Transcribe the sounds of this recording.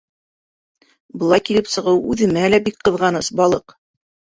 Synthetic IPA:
bɤ̆lˠɑjkilɘpsɤ̆ʁɤwʉðɘ̆mælæbik̚qɤ̆ðʁɑnɤsbɑlˠɤq

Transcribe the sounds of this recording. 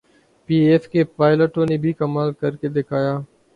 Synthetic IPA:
piːeːfkepaːɪləʈõneːbʱiːkɐmaːlkɐɾked̪ɪkʰaːjaː

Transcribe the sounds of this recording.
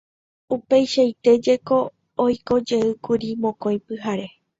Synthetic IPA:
upejʃajt̪e̞d͡ʒe̞ko̞ː | jko̞d͡ʒe̞ɨkuɾimõ̞kõj̃pɨɦaɾe̞

